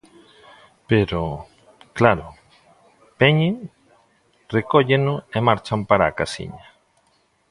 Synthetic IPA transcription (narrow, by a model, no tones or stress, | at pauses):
peɾo | klaɾo | peɲe | rekoʎenoemaɾt͡ʃampaɾakasḭɲa